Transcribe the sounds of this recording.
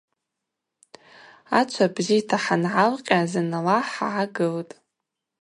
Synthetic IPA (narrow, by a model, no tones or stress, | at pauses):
at͡ʃʷʰabzijtʰaħanʕalqʲʼazanalaħaʕaɡɨltʼ